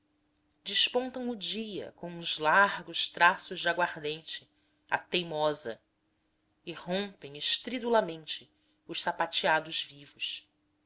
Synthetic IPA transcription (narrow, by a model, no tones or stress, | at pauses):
d͡ʒɪʃpõnt̪ɐ̃w̃ʊd͡ʒiɐ̰kõw̃ũzlaɾɡʊʃt̪ɾasʊʒd͡ʒaɡwaɾd̪ẽnt͡ʃɪ | a̰t̪ejmɔzɐ | ɪhõmpẽj̃ɪʃt̪ɾid̪ulɐmẽnt͡ʃɪ | ʊʃsapat͡ʃiad̪ʊzvivʊʃ